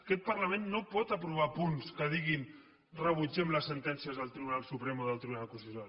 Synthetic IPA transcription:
kɛt̪̚pəɾləmẽnːopɔt̪əpɾuβ̞apunskəð̞iɣin | rəβ̞ud͡ʒɛmləsːənt̪ɛnsiəzðəlˠt̪ɾiβunalˠsupɾemoðəlˠt̪ɾiβunalkusit̪o

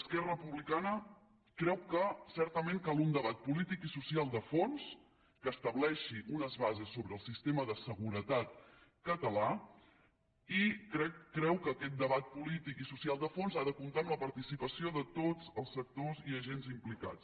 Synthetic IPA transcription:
skɛrəpuβlikanə | kɾɛwkəsɛɾt̪əmeŋkalˠund̪əβat̪̚pulit̪ikisusialˠd̪əfons | kəːst̪əβlɛʃiʔunəzβazesːoβɾəːlˠsist̪eməðəsəɣuɾət̪at̪̚kət̪əla | ikɾɛkːɾɛwkəːkɛt̪̚d̪əβat̪̚pulit̪ikisusialˠd̪əfonzaðəkunt̪aəmləpəɾt̪isipəsioðət̪od͡zəlˠsək̚t̪oziəʒenzimplika̰t͡s

